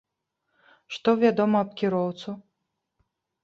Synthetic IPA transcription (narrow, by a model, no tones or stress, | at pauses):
ʂt̪ɔvʲad̪ɔmɐːp̚kʲiɾɔwt̪su